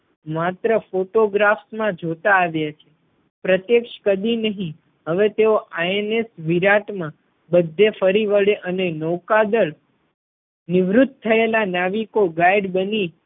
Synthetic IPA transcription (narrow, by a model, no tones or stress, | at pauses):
mat̪ɾəfoʈoɡɾafsmãd͡ʒot̪aːʋjat͡ʃʰe | pɾət̪jekʃkəd̪inəɦĩ | ɦəʋet̪eoʔaenesʋiɾaʈmã | bəd̪ʱːefəɾiʋəɭeʔənenəwkad̪əɭ | nɪʋɾʊt̪̚t̪ʰːəelanaʋikoɡaiɖbəni